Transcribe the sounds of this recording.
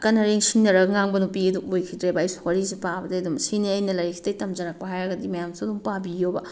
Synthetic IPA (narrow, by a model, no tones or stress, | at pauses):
kɐnɐɾeŋsiŋnɐɾɐɡŋaŋbɐnupiɐduojkʰidɾebɐːjsu̥hoɾizipabɐdɐːdumsiniɐjnɐlɐɾikʰi̥tɐjtɐmd͡ʒɐɾak̚pɐɦajɾɐɡɐdimɐjamsuɐdumpabijobɐ